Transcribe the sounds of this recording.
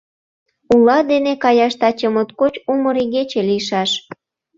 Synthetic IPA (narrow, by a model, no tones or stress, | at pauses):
ulɑd̪enekɑjɑʃt̪ɑt͡ɕəmot̪kot͡ɕuməɾiɣet͡ɕelijʃɑʃ